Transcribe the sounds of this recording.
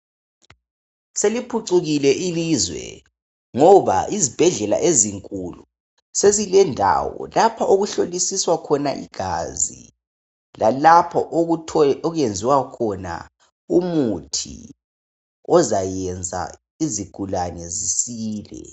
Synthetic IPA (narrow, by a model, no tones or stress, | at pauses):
selipʰuǀuɣilɛʔilizwɛ̰ | ŋɔβa̰izib̥ʱɛɮɛla̰ʔeziŋkʼulu | sezilɛndʱa̰wɔ̰lapʰaʔoɣuɬolisiswakʰɔna̰ʔḭɡ̥ʱa̰zḭ | lalapʰɔʔʰɔɣend͡zʱiwakʰɔna̰ | umutʰḭ | ɔzajɛnd͡zʱa̰ | iziɡ̥ʱulanɛzisiːlɛ̰